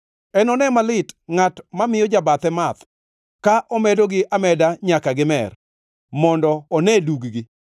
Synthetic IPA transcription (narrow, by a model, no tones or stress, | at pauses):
ɛnɔnɛmalɪtŋatmamɪjɔd͡ʒabat̪ɛmat̪ | kaʔɔmɛdoɡɪʔamɛdaɲakaɡɪmɛ̰r | mɔndɔːnɛduɡɡɪ